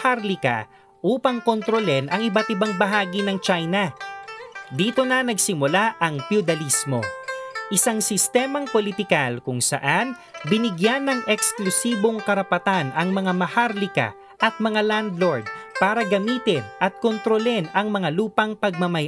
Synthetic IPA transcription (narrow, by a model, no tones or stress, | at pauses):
haɾlɪkɐ̰ | ʔuːpɐŋkont̪ɾolɛnʔɐŋɪbɐt̪ɪbaŋbɐɦaːɡinɐŋt͡ʃajnɐ | d̪iːt̪o̞nɐnɐɡsɪmʊlaʔɐŋfjʊd̪ɐlismo̞̰ʔɪsaŋsɪst̪ɛːmɐŋpolɪt̪ɪkalkʊŋsɐ̰ʔan | bɪnɪɡjanːɐŋʔɛksklʊsiːbo̞ŋkɐɾɐpɐt̪anʔɐŋmɐŋamɐhaɾlɪkɐ̰ | ʔɐt̪̚mɐŋaland̪loɹd̪̚paːɾɐɡɐmiːt̪ɪnʔɐt̪̚kont̪ɾolɛnɐŋmɐŋaluːpɐŋpɐɡ̚mɐmɐj